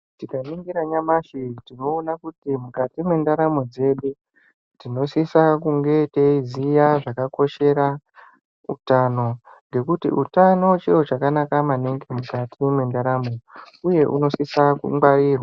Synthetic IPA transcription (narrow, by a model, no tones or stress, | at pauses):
tikaniŋɡiɾaɲamaʃitino̞ːnakutimukatimwe̞ndaɾamo̞d͡ze̞ɗu | tino̞sisakuŋɡe̞teizijaʐakako̞ʃe̞ɾa | utano̞ŋɡe̞kutḭʔutano̞t͡ʃiro̞t͡ʃakanakamaneŋɡe̞mukatimwe̞ndaɾamo̞ | uje̞ʔṵno̞sisakṵŋwaɾiːrwa